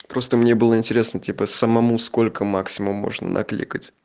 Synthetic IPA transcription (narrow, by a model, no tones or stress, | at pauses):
pɾo̞st̪əmnʲe̞bɨlˠəɪnʲtʲɪɾʲe̞snətʲipəsəmɐmusko̞lʲkəmaksʲɪmʊmːo̞̰ʐnə̰nʔɐ̰klʲḭkətʲ